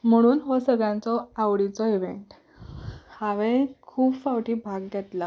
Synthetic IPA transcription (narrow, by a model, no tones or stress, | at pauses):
m̤əɽ̃uːnɦɔsəɡɭãnt͡sɔawɽit͡sɔiʋeɳʈ | haʋẽkʰuːbfawʈiːbʱaɡ̚d̪ɛt̪la